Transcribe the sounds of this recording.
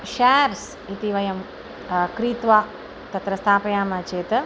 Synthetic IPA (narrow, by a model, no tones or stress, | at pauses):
ʃaːɾs | it̪iʋɐjɐm | kɾiːt̪ʋaː | t̪ɐt̪ɾɐst̪ʰaːpɐjaːmɐt͡ʃeːt̪ɐ